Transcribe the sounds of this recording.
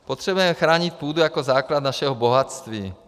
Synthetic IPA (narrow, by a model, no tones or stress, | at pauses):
pɔt̪ɾɛbujɛmɛxɾaːɲic̚puːd̪ujakɔzaːklad̪naʃɛɦɔbɔɦat͡st̪ʋiː